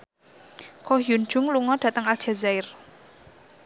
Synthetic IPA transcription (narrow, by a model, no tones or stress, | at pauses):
kɔhjund͡ʒʊŋluŋɔɖ̥ä̤t̪əŋal̥ʒ̥a̤zaɪr